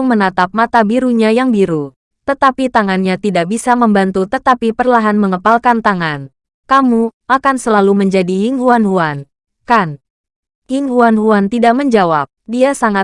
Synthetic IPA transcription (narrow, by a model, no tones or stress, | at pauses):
ŋmənat̪ap̚mat̪abiɾuɲajaŋbiɾu | t̪ət̪apit̪aŋanɲat̪idaʔ̚bisaməmbant̪ut̪ət̪apipərlaɦanməŋəpalkant̪aŋan | kamuʔakansəlaluməɲd͡ʒadijiŋɦuanɦuan | kan | hiŋhuanɦuant̪idaʔ̚məɲd͡ʒawap̚diasaŋa